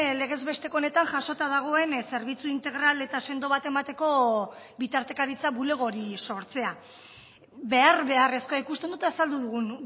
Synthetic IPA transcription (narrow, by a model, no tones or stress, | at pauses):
le̞ɣ̞e̞zβe̞st̪e̞kone̞t̪aŋʝaso̞t̪aðaɣ̞o̞e̞nse̞ɾβit͡suint̪e̞ɣ̞ɾale̞t̪ase̞nd̪o̞β̞at̪e̞mat̪e̞ko̞ | βit̪aɾt̪e̞kaɾit͡saβule̞ɣ̞o̞ɾiso̞ɾt͡se̞a | be̞arβe̞are̞skoaikust̪ed̪ut̪aesald̪uðuɣ̞un